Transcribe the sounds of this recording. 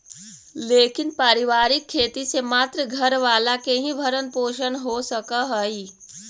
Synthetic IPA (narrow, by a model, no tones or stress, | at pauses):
leːkɪnpaːɾɪʋaːɾɪkʰːeːt̪isemaːt̪ɾəɡʱɐɾʋaːlakeɦĩbʱəɾənpoːʃənɦosɐkaɦəi